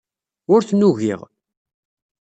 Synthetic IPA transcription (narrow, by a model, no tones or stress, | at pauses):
ʊɾθnuʝḭʁ